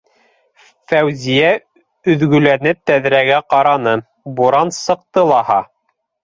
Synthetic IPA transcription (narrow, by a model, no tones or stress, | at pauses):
fæwzijæ | ɵ̆ðɡɵ̆lænɘt̪æðɾæɡæqɑɾɑnɤ | buɾɑnsɤ̆q̚t̪ɤlˠɑhɑ